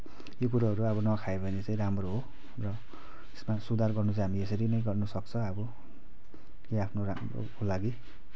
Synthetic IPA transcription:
jok̬uɾaɦʌɾuʌbʌnʌkʰaebʱʌnet͡saĩɾamroɦo | rʌ | t̪e̥smasud̪arɡʌrnut͡sɦamies̬ʌɾinʌjɡʌrnusʌkt͡sʰʌʌbʌ | keapʰnoramro̰kolaɡi

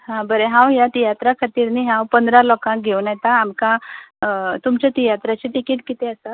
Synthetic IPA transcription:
ɦãbəɾeɦãwjat̪ijat̪ɾakʰat̪iːɾniɦãwpənd̪ɾalɔkãk̚ɡʱewnjɛt̪aːmkã | t̪umt͡ɕat̪ijat̪ɾat͡ɕit̪ikiːt̪kit̪ɛəsa

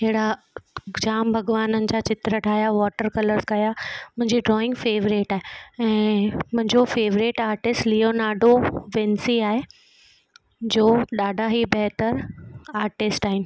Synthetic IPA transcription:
ɦɪɽa | d͡ʑaːmbʱɐɡʋaːnənɪ̆d͡ʑaːt͡ɕɪt̪ɾəʈʰaːjaʋɔːʈəɾkɐləɾzkɐjamʊ̃ɦɪ̃ɲd͡ʑiɖɾɔːɪ̃ŋɡfeːʋɾeʈaːɦeɛ̃ːmʊ̃ɦɪ̃ɲd͡ʑofeːʋɾeʈaːɾʈɪsʈlionaːɖoʋẽːnsiaːɦe | d͡ʑoːɗaːɖʱaɦibɐɦt̪əɾaːɾʈɪsʈaːɦɪnɪ̆

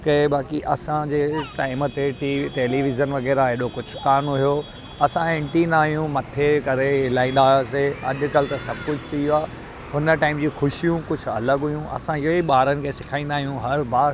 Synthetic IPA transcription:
kebaːkiʔɐ̰sãd͡ʑeːʈaːɪm̆t̪eʈiʈeːliʋɪzənʋɐɣɛːɾaɪɦɗokʊd͡ʑʱʊkaːɾnuɦijo | ɐsãɪ̃ɳʈind̪aːɦijũmɐt̪ʰekɐɾeɦɪlaːĩːn̆d̪aːs̬eɐ̰ʄʊ̆kɐlɪt̪ɐsɐbʱkʊd͡ʑʱt̪iuaː | ɦʊnə̆ʈaːɪmd͡ʑiːxʊʃijũkʊd͡ʑʱʊ̆ɐ̰ləɡɦʊjũʔɐ̰sãɪoiɓaːɾənɪ̆kʰẽːsɪkʰaːĩːnd̪aːɦijũɦɐɾbaːɾ

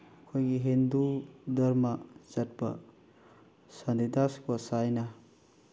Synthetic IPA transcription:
ɐkʰojɡiɦindudɐɾmɐz̥ɐt̚b̥ɐ̰ | sand̪idaskosajnɐ

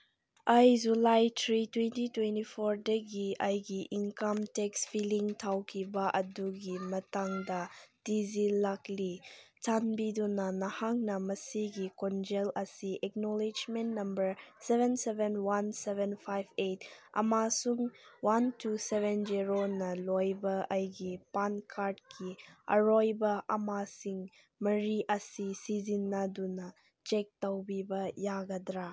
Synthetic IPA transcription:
ɐjzulajtʰɾitwentitwentipʰoɾdɐɡiɐjɡiʔiŋkɐmtekspʰiliŋtʰawkʰibɐʔɐduɡimɐtaŋdɐd̥izilaklit͡ʃʰanbidunɐnɐhaŋnɐmɐsiɡikɔnd͡ʒelɐsiʔɛk̚nɔlid͡ʒmentnɐmbəɾsebʱensebʱenwansebʱenpʰajbetɐ̰masuŋwantusebend͡ʒiɾonɐlojbɐɐjɡipankʰaɾdkʰiɐ̰ɾojbɐʔɐmasiŋ | mɐɾiʔɐsisizinːɐdunɐ | t͡ʃek̚tɐwbibɐjaɡɐdɾa

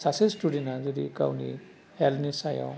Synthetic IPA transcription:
sasesʈuɖenazuɾika̰wnḭ | hɛlnisajɔ̰

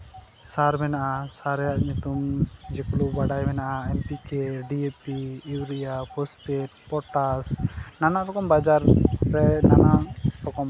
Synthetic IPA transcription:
saɾbɛnaʔasaɾɛjaʔɲut̪umd͡ʒɛklubaɖajbɛnaʔaɛmt̪ikeɖiepiiwɾijapʰɔspeʈ̚pɔʈasnanaɾɔkɔmbad͡ʒaɾːɛnanalɔkɔm

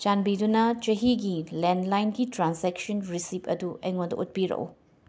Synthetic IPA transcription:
t͡ʃanbidunɐt͡ʃɐɦiɡilendlajnɡitɾansek̚sonɾisipʰɐ̰duɐjŋondɐ̰ʔut̚piɾɐ̰w̰

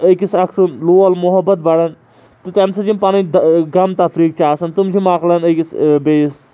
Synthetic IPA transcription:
əkisɐksunluːɐlmʊɦɐbɐt̪̚bɐɽɐn | t̪ut̪ɛnsɐd͡ʒimpɐnĩd̪ɡɐmt̪ɐfɾiːk̚t͡ʃaːsɐnt̪umd͡ʒʰimaːklɐnɐkisbes

